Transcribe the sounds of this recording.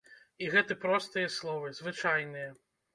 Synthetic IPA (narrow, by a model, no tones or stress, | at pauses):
iɣɛt̪ɨpɾɔst̪ɨjɐslˠɔvɨzvɨt͡ʂajnɨjɐ